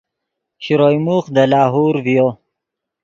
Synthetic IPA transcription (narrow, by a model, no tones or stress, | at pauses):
ɕɾojmuxd̪əlɑːɦuːɾvijo